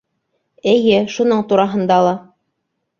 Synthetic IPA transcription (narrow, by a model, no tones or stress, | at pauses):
ɘ̆jɘʃunɤɴt̪uɾɑɦɤ̆nd̪ɑlˠɑ